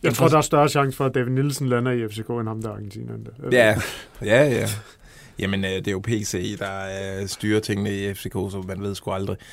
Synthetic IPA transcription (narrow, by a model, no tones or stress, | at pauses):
jɑ̈ɪt͡sʰʁo̝ɐd̥ɑ̈æɐsd̥ɶɐɕɑ̈ŋ̰sfɒ̽æd̥ɛʋinilsn̩lænɐiefse̝ko̰ːenhɑ̈md̥æɑ̈ɡ̥en̩t͡sʰḭːnæend̥æjæjææ | jʔæmənød̥e̝jopʰe̝̰ːsḛd̥ɑ̈sd̥yːɐt͡sʰeŋ̰ənəiefse̝kʰo̰ːsɒ̽mːænʋ̝ð̰ˠsɡ̥uɑ̈ld̥ʁi